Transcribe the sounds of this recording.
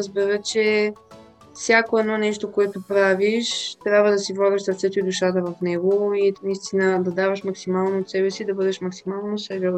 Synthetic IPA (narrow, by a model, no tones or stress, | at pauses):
ɾəzbɛɾət͡ʃɛ | fsʲjakoɛd̪nɔnɛʃt̪okoɛt̪opɾaviʃt̪ɾʲjabvəd̪ɐsivlˠaɡəʃsɐɾt̪sɛt̪oid̪uʃat̪̬əvɐfnɛɡoinɐist̪inəd̪ɐd̪avəʃmɐksimalˠnoːt̪sɛbɛsid̪ɐbɤd̪ɛʃmɐksimalˠnosɛbɛ